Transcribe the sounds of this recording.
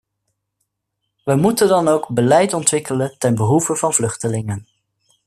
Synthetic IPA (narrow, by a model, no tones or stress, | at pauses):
ʋəmutəndɑnowɡbəlɛjtɔntʋɪkələntɛnbəɦuvəv̥ɑnvlɵχtəlɪŋən